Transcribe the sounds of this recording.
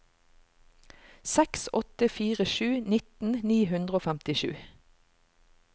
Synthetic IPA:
sɛksɔt̪əfiːʁəʃʉːnɪt̪n̩niːhʉnd̪ʁəoːfæmt̪ɪʃʉ̰ː

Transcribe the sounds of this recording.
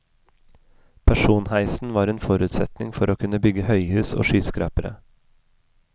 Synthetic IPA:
pʰæʃuːnhæɪsn̩ʋɑːɾeːnfɔɾʉːt̪sɛt̪nɪŋfɔɾoːkʰʉnəbʏɡəhœʏhʉːso̰ːʃyːskɾɑ̰ːpəɾə̰

